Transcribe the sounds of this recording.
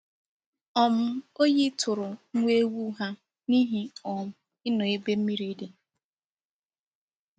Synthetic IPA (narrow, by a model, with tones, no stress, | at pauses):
ɔ˨m̩˦o˦ji˦tʰʊ˨ɾʊ˨ŋ̩˦ŋʷe˦wu˦ɦa˦ | ni˦ɦi˦ɔ˨m̩˦ | ɪ˦nɔ˨e˦be˦m̩˦mi˦ɾi˦de˦